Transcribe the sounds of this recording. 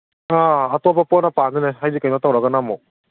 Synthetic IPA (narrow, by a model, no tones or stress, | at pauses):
aatɔbapɔnapanɯnajɦajdikajmatawɾaɡanamɔ